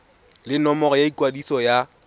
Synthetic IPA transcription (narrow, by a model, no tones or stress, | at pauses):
lɪnɔmɔɣɔjaikʼwadisɔja